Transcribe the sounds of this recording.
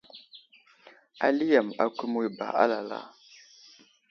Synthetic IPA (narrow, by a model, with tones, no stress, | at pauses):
a̰˨li˦ja˨ma˨ku˦mu˦i˦ba̰˨ʔa̰˦la˨la̰˦